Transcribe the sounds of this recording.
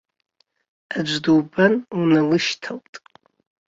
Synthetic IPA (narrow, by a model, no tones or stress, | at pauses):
ad͡ʒʷduːbanunalɨʃtʰawtʼ